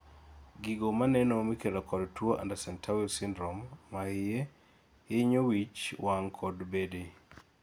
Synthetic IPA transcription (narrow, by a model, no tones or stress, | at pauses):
ɡiɡomanɛnomikelokɔdtwoʔa̰ndasɛntʰawiosindɾɔmːaɪje | jeɲowit͡ʃwaŋkʰɔdbede